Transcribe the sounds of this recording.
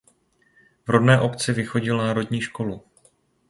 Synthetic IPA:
vɾodnɛːʔo̞pt͡sɪvɪxo̞ɟɪlnaːɾo̞dɲiːʃko̞lu

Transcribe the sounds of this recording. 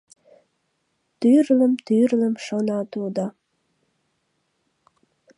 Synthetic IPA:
t̪yrləmt̪yrləmʃənɑt̪ud̪ɑ

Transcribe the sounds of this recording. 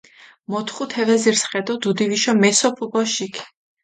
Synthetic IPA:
mɔt̪ʰχut̪ʰɛvɛziɾsχɛd̪ɔd̪ud̪iviʃɔmɛsɔpʰubɔʃikʰ

